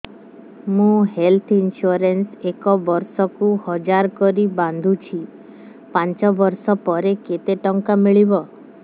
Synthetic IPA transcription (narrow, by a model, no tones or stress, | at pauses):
mũɦelt̪ʰinsuɔɾensekɔbɔɾsɔkuhɔd͡ʒaɾkɔɾiband̪ʱut͡ʃʰi | pant͡ʃɔbɔɾsɔpɔɾeket̪eʈɔŋkamiɭibɔ